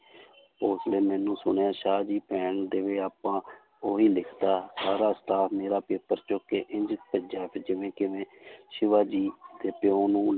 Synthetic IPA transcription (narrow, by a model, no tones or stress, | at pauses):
oːsleːmɛːnũːsʊɳeːaːʃaːd͡ʒiːpɛːɳd̪eːʋeːaːpãː | oːɦiːlɪkʰd̪aːsaːɾaːsə̥ʈ̪aːfmeːɾaːpeːpəɾt͡ʃʊkːeːʔɪɲd͡ʒɪt̪̚pəd͡ʒaːpʰed͡ʒɪʋẽːkɪʋẽːʃɪʋaːd͡ʒiːd̪eːpɪõːnũː